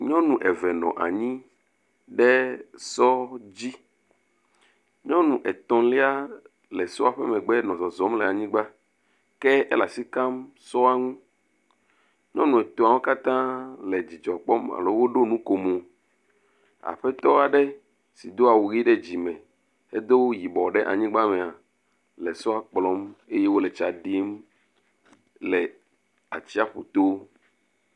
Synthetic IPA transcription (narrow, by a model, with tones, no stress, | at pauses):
ɲɔ̃˦nũ˨ʔɛ˨vɛ˨nɔ̰̃˨ʔa̰˨ɲĩ˦ | ɖɛ˦sɔ˦d͡ʑi˦ | ɲɔ̃˦nũ˨ʔɛ˨t̪ɔ̃˨li˦a˦ | lɛ˨sɔ̰˦a˨ɸɛ˦mɛ̃˨ɡ͡bɛ˦nɔ̃˨zɔ˨zɔ˨˦mlɛ˨a˨ɲĩ˦ɡ͡ba˦ | kɛ˦ɛ˦la˨si˦ka˦m | sɔ˦a˦ŋũ˦ | ɲɔ̃˦nũ˨ɛ˨t̪o˦˨a˨wo˦ka˦t̪ã˦lɛ˨d͡ʑi˨d͡ʒɔ˨k͡pɔ˦ma̰˨lo˨˦wo˦ɖo˦nũ˦ko˨mo˨ | a̰˨ɸɛ˦t̪ɔ˦a˨ɖɛ˦ | si˨d̪o˦a˨wu˨ɣi˦ɖe˦d͡ʑi˨mɛ̃˨ | e˦d̪o˦wo˦ji˨bɔ˨ɖɛ˦ʔa̰˨ɲĩ˦ɡ͡ba˦mɛ̃˨a˨ | lɛ˨sɔ˦a˨k͡plɔ˦me˦je˦wo˦lɛ˨t͡ʃa˨ɖi˦m | lɛ˨ | a̰˨t͡ɕi˦a˦ɸo̰˨t̪o˦